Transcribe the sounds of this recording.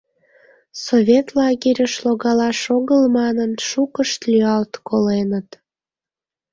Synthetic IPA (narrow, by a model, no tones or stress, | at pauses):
soβʲet̪lɑɣiɾʲəʃloɣɑlɑʃoɣəlmɑnənʃukəʃt̪lyɑlt̪kolenət̪